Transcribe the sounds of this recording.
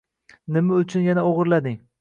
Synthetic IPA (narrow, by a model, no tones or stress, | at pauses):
nɪmaʊt͡ʃʰʊnjanaoʁɨɾlad̪ɪŋ